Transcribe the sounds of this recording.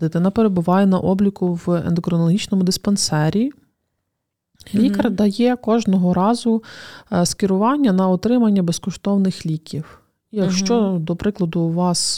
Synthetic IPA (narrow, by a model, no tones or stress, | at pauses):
d̪ɪt̪ɪnɐpeɾebʊʋɑjɛnɐ̰ʔɔblʲikʊʋḛnd̪ɔkɾɔnɔlˠɦʲit͡ʃnɔmʊd̪ɪspɐnsɛɾʲi | lʲikɐrd̪ɐjɛkɔʒnɔɦɔɾɑzʊ | skʲɪɾʊʋɑnʲːɐnɐɔt̪ɾɪmɐnʲːɐbeskɔʃt̪ɔwnɪxlʲikʲiw | jɐkʃt͡ʃɔd̪ɔpɾɪklˠɐd̪ʊʋɑs